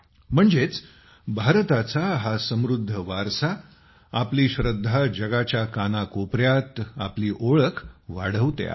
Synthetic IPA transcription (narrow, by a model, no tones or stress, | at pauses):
m̤əɳd͡zet͡s | bʱaɾt̪at͡saɦasəmɾud̪ʱːəʋaɾsa | apliːɕɾəd̪ʱːad͡ʑəɡat͡ɕjakanakopɾjat̪apliːʔoɭəkʋaɽ̤əʋt̪j̰a̰